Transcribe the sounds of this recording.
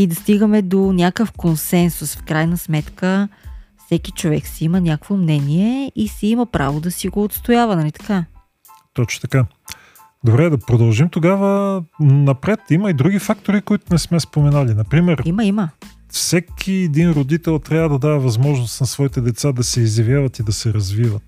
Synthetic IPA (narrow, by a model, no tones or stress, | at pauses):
id̪ɐst̪iɡəmɛd̪onʲakəfkonsɛnsʊsfkɾajnəsmɛt̪kəfsɛkit͡ʃovɛksɛimənʲakvomnɛniɛisɛimɐpɾa̰vod̪ɐsiɡoːt̪st̪ojavənɐlit̪ɐ̥ka | t̪ɔt͡ʃno̥t̪ɐka | d̪obɾɛd̪ɐpɾod̪ɐlˠʒimt̪oɡavənɐpɾɛt̪iməid̪ɾuɡʲifak̚t̪oɾikoit̪ʊnɛsmɛspomɛnalinɐpɾimɛɾiməimə | fsɛkʰiɛd̪inɾod̪it̪ɛlˠt̪ɾʲjavəd̪ɐd̪aɛvɐzmɔʒnost̪nɐsvɔit̪ɛd̪ɛt̪sad̪ɐsɛizjɐvjavɐt̪id̪ɐsɛɾɐzvivət̪̚